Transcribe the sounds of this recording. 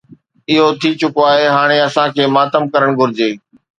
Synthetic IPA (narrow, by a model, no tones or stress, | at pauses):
ɪɦot̪ʰit͡ɕʊkoaːɦeɦaːɽ̃eɐsãkʰeːmaːt̪əmkɐɾəɽ̃ɡʱʊɾɪd͡ʑeː